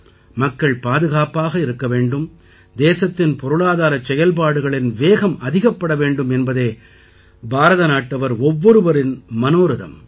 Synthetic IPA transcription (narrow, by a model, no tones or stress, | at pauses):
mɐkːɐɭpaːðɯɣaːpaːɣɐɪɾɯkːɐʋeːɳɖɯm | d̪eːsɐt̪ːɪnpɔɾɯɭaːðaːɾɐt͡ʃːɛjɐlp̬aːɽɯɣɐɭɪnʋeːɣɐmɐðɪɣɐpːɐɽɐʋeːɳɖɯmɛnbɐðeː | bʱaːɾɐðɐnaːʈːɐʋɐɾɔʋːɔɾɯʋɐɾɪnmɐnoːɾɯðɐ̰m